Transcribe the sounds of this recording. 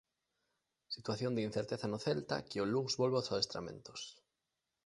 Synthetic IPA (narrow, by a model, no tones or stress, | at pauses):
sit̪waθjond̪in̟θeɾt̪eθanoθelt̪a̰kɪoluŋzβolβosaest̪ɾa̰mḛ̃nt̪o̥s